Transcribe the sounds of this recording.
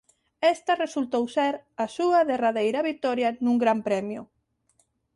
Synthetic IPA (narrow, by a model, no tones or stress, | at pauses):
est̪ɐresult̪owseɾɐsuɐðeraðejɾɐβit̪ɔɾjɐnũŋɡɾampɾɛmjʊ